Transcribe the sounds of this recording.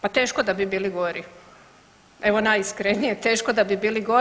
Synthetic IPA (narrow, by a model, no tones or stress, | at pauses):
pat̪eːʃkod̪abibiːliɡo̞ɾi | e̞ʋo̞najiskɾenijet̪e̞ːʃkod̪abibiːliɡo